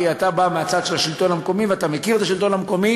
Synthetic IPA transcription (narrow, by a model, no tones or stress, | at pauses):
iat̪abameat͡sad̪ʃelaʃilt̪o̞nhameko̞miveat̪amekiʁt̪aʃilt̪o̞nameko̞mi